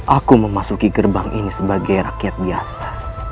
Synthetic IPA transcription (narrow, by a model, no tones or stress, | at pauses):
ʔakuməmasukiɡərbaŋʔḭnisəbaɡajrakiat̪̚biasḁ